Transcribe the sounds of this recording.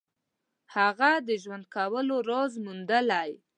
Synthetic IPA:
haɣad̪əʒwand̪̚kawəloɾozmund̪əlaj

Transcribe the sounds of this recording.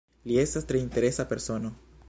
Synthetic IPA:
lie̞stast̪ɾe̞inte̞ɾesape̞ɾso̞no

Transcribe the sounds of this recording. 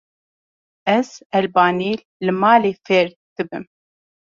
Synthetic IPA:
ɛz̥ɛlbaːniːlːɨmaːleːfɛɾ | d̪̥ɨbɨ̰m

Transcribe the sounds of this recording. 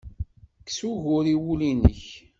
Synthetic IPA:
kːsuʝʊɾiwulinə̰ç

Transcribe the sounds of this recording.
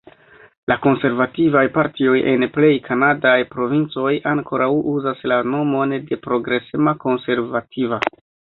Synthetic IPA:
lʔako̞nse̞ɾvativajpaɾtio̞jʔe̞̰nple̞jkʰanadajpɾo̞vint͡so̞jaŋkʰo̞ɾʔawuzaslano̞mo̞nde̞pɾo̞ɡɾe̞semako̞nse̞ɾvatʰiva

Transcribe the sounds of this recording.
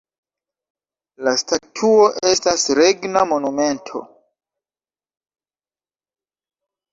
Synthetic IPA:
lastatʰuo̞ʔe̞stasɾeɡnamo̞nume̞ntʰo̞̰

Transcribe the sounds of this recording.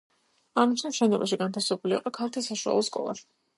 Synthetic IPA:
amit͡ʃ̪ʰɛʃɛnɔbaʃiɡant̪ʰafsɛbulḭqʼɔkʰalˠt̪ʰisaʃua̰lˠɔskʼɔ̰lˠa̰s

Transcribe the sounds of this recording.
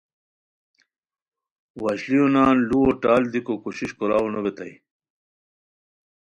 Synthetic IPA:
wɐɕlijonaːnluwoʈaːld̪ikokuɕiɕkoɾaːwunobet̪ɐ̰j

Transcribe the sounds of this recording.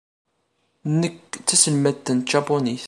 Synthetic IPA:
nəkt͡sːæsəlmæt̪ːənt̪ʒɑponiθ

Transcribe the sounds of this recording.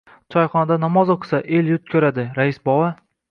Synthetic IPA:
t͡ʃʰɒjχɒnad̪anɒmɒzoqʰɨ̥saʔeljʊt̪̚kʰʲɵɾad̪ɪɾaɪsbɒwa

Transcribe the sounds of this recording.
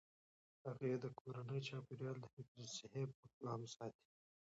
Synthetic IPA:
haɣaed̪əkʰoɾanəjt͡ʃɑpɪɾjɑːld̪əfɪkɾisɪhep̚əklɑːmsɑːt̪i̥

